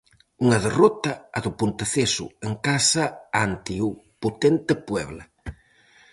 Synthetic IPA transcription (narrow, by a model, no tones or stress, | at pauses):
uŋɐðerɔt̪ɐːðʊpunt̪eθesʊ̰eŋkasɐant̪iupot̪ent̪ɪpwɛβla